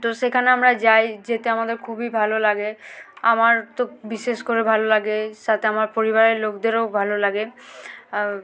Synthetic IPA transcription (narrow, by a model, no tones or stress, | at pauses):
t̪oʃekʰaneamɾad͡ʑajd͡ʑet̪eamad̪eɾkʰubibʱalolaɡeamaɾt̪obiʃeʃkoɾebʱalolaɡeʃat̪ʰeamaɾpoɾibaɾeɾlokd̪eɾobʱalolaɡe